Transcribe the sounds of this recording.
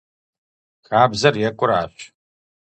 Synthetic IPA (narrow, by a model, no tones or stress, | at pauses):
xaːbzɐrjɛkʷʼʊɾa̰ːɕ